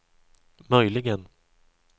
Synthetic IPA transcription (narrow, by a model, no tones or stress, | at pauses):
mœjlɪɡən